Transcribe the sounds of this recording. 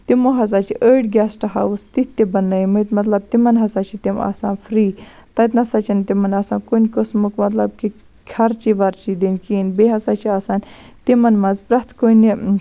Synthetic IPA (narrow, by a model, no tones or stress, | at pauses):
t̪imoɦɐz̬aːt͡ʃʰiʔəːʈɡʲaːsʈɐɦa̰wust̪it̪ːebɐnɐjmɨt̪mɐt̪lɐb̚t̪imɐnɦɐsaːt͡ʃʰit̪imɐ̰ːsaːnfɾiː | t̪ɐjt̪nɐsaːt͡ʃʰint̪imɐnaːsaːnkonʲkəsmukmɐt̪lɐb̚ki | kʲʰɐɾt͡ʃiʋɐɾt͡ʃid̪inʲkiːnbeɦɐsaːt͡ʃʰiaːsaːnʲ | t̪imɐnmɐnzpɾɐt̪koni